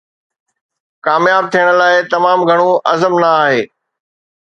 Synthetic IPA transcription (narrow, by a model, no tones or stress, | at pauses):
kaːmjaːb̚t̪ʰijəɽ̃̆laːɪt̪ɐmaːmɡʱɐɽ̃õʔɐzəmnɐaːɦeː